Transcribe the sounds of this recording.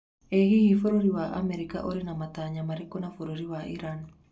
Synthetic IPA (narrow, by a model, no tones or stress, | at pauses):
ehihifoɾoɾiwaʔa̰meɾika̰ʔoɾinamataɲamaɾikonafoɾoɾiwaʔiɾani